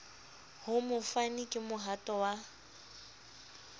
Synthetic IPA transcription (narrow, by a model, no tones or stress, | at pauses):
hʊmʊfanikʼɪmʊɦatʼɔwa